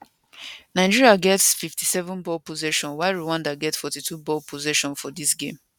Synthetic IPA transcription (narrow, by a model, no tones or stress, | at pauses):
naɪd͡ʒiɹiaɡɛtsfiftʰisɛvɔ̃nbɔlpozɛʃɔ̃nwaɪɹuwãndaɡɛtsfɔtitʰubɔlpʰozɛʃɔ̃nfɔdisɡẽm